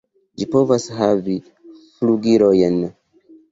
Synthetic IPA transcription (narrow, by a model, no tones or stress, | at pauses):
d͡ʒipovasɦavi | fluɡiɾojɛn